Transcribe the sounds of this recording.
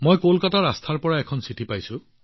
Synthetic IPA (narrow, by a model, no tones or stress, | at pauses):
mojkolkataɹast̪ʰaɹpɔɹaɛkʰɔnsitipajsʊ̃